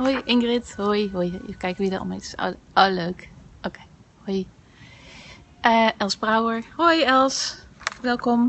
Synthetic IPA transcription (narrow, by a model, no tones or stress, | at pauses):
ɦojʔɪŋɡrɪthojɦojkɛjkəʋidəɔ̰mḛtso̰oløːkʔokeːhoj | ʔəʔɛlˠsbrawəɹhojɛlˠsʋɛlˠkɔm